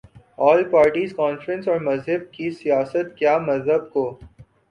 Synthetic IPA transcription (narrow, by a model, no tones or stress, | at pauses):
ɔːlpaːɾʈiːzkɔːnfɾə̃nsɔːɾmɐzɦəb̚kisijaːsət̪̚kjaːmɐzɦəb̚koː